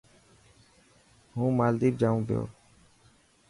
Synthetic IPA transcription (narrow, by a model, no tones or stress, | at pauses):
ɦũːmaːld̪iːp̚d͡ʒaːũːbɪjo̰ː